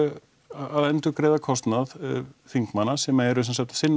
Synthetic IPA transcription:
aðɛnt̪ʏkɾɛːðakʰɔst̪naðfiŋkmanːasɛmaɛɾʏsɛnsaft̪sɪnː

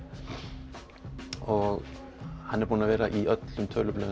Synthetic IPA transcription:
ʔoː | hɑnæbʊnɑʋeːɾɑʔiʔœt̪ləmt̪ʰœləblœ

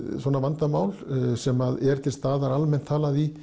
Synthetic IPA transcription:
sɔnavant̪amaːwlsɛmaðɛɾ̥t̪ʰɪlst̪aːðaɾalmɛn̥t̪ʰːaːlaði

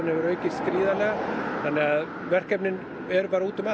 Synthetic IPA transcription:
nhɛvʏɾœːɥcɪskɾiːðalɛɣaθanːɪɣað | vɛr̥kɛpnɪn | ɛɾpaːɾauːt̪ʏma

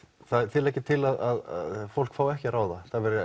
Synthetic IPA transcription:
θaðt̪ʰɪlɛhcɪt̪ʰɪlaðaða̰ðfowl̥kfaːwɛhcɪaɾaːwðaθaðvɛɾɪ

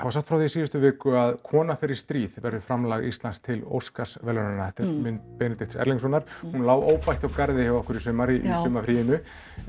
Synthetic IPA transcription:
havasaht̪fɾawθiːsiːðʏst̪ʏvɪːkʏaðkʰɔːnafɪɾɪɾ̥st̪ɾiːðvɛɾðʏfɾamlaːɣist̪lanst̪ʰɪlo̰wskḁsvɛlɛnanaaht̪ɪɾ̥mʏnpɛːnɪt̪ɪht̪sɛ̰ɾliŋs̬ɔnaɾ̥hunlaːwʔoːwpajht̪awkaɾðɪhawɔhkʏɾisʏːmaɾiʔḭsʏːmafɾiːjɪnʏ

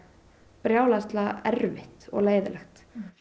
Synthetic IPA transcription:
pɾjaːwlast̪laɛɾvɪht̪ɔ̰ɣleːjðɪlɛxt̪

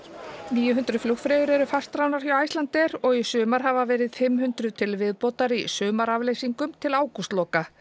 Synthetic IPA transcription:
niːjʏɦʏnt̪ɾʏflukfɾɛːðʏɾɛɾʏfast̪ɾawnaɾ̥fjawajst̪ant̪ɛɾɔɣisʏːmaɾ̥ɦavavɛːɾɪð̥fɪmhʏnt̪ɾʏt̪ʰɪlvɪðpɔwt̪aɾisʏːmaɾavlejsiŋkʏmt̪ʰɪlaːwkust̪lɔːka

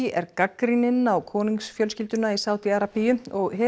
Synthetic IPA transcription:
ɛɾkakɾinɪnawkʰɔːniŋksfjœlscɪlt̪ʏnaisaːwt̪iaɾapijʏɔɣɦɛ

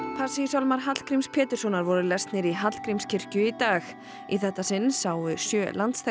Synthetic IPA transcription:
pʰḁsisalmaɾ̥ɦat̪l̥kɾimspʰɛːt̪ɪ̥sɔnaɾvɔɾʏlɛst̪nɪɾiɦat̪l̥kɾimscʰɪr̥cʏit̪aːx | iθɛht̪ːasɪnsawʏsjœːlant̪sθ

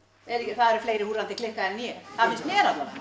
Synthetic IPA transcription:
eɾɪcːɪθaðɛɾfleːjɾɪhuːɾalt̪ɪklɪhkaðɛnnjɛθaðɪsnjɛːɾat̪la

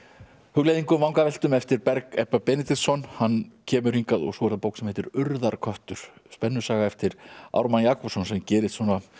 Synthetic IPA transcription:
hʏɣlejðiŋkʏmawŋkavɛl̥t̪ʏmɛft̪ɪɾpɛɾkɛhpːapɛnɪt̪ɪsɔnhanːcʰɛːmʏriŋkaðɔ̰ɣsɔːɛɾðapowksɛmhɛt̪ɪɾʏɾðaɾ̥kʰœht̪ʏɾ̥spɛnːʏsaːɣaɛft̪ɪɾa̰wɾmanjaːkɔsɔns̬ɛmcɛːɾɪst̪sɔna

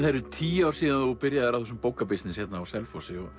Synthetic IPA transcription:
θaɾʏt̪ʰiːawɾsiːðanupɪɾjaðɛɾaθus̬ɛmpoːwkapɪsnɪsjɛt̪naːwsɛlfosɪɔɣ

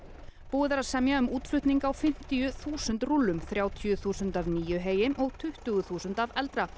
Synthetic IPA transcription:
puːɪðaɾasɛmjaʏmuːt̪flʏht̪niŋkawfɪm̥t̪ijʏθuːsʏnt̪rulːʏmθɾjaːwt̪ʰijʏθuːsʏnt̪avniːjʏɦeːjɪmʔɔɣt̪ʰʏht̪ʏɣʏθuːsʏnt̪avɛlt̪ɾa

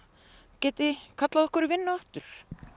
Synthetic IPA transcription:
cɛːt̪ɪkʰat̪laðɔhkʏɾɪvɪnːʏɔht̪ʏɾ̥

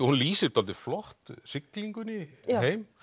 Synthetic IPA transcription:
hunliːsɪ̥t̪alt̪ɪflɔht̪sɪkliŋkʏniɦejm

